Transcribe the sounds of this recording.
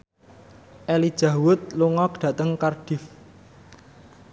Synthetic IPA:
ʔɛlid̥ʒ̥a̤wʊt̪̚luŋɔk̚dɖ̥ä̤t̪əŋkard̥i̤f

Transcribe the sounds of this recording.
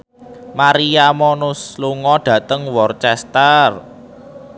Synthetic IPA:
maɾiamɔnʊsluŋɔɖ̥ä̤t̪əŋwɔrt͡ʃɛst̪ər

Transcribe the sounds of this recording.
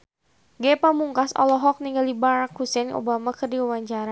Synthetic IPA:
ɡɛpamuŋkasɔ̰lɔɦɔk̚niŋɡaldibaɾakhusɛnʔo̰bamakɨrdiuwaɲt͡ʃaɾa

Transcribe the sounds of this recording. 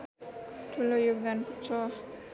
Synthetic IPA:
ʈʰulojoɡ̚d̪anput͡ʃʰɔ

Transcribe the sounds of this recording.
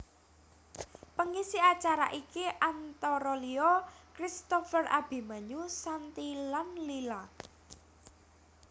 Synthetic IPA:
pəŋisiat͡ʃaɾa̰ʔikiʔant̪ɔɾɔliɔkɾist̪ɔfəra̰b̥i̤maɲusant̪ilanlila

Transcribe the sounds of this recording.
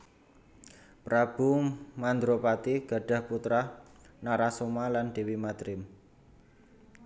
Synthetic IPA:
pɾab̥ṳmand̪ɾopat̪iɡ̥a̤ɖ̥ä̤hput̪ɾanaɾasomalanɖ̥e̤wimad̪̥ɾɪm

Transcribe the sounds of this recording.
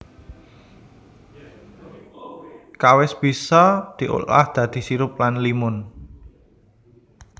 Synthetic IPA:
kawɪsb̥i̤sɔd̪̥i̤ʔo̰la̰hd̪̥ä̤d̪̥i̤siɾʊp̚lanlimʊn

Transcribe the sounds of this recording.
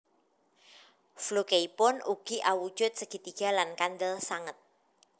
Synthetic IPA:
flukeipʊnuɡ̥iʔawud̥ʒ̥ʊt̪̚səɡ̥i̤t̪iɡ̥a̤lankand̪əlsaŋət̪̚

